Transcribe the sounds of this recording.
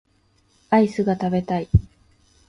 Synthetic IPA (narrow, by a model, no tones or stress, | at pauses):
aisɨɡat̪abe̞t̪ai